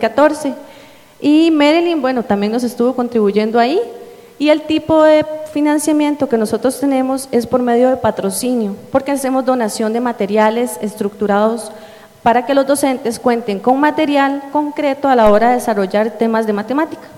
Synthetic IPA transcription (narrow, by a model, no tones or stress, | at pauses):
kat̪o̞ɾse̞ | imeɾelinbwe̞no̞t̪ambje̞ŋno̞se̞st̪uβo̞ko̞nt̪ɾiβuʝe̞nd̪oai | ie̞lt̪ipo̞ðe̞finãnsjamjẽ̞nt̪o̞ke̞no̞so̞t̪ɾost̪e̞nẽ̞mo̞se̞spo̞ɾme̞ðjo̞ðe̞pat̪ɾo̞sinjopo̞ɾkease̞mo̞zd̪o̞nasjo̞nd̪e̞mat̪e̞ɾjale̞se̞st̪ɾukt̪uɾaðo̞s | paɾake̞lo̞zd̪o̞se̞nt̪e̞skwe̞nt̪e̞ŋko̞ŋmat̪e̞ɾjalko̞ŋkɾe̞t̪oalao̞ɾaðeesaro̞ʝaɾt̪e̞mazd̪emat̪e̞mat̪i̥kḁ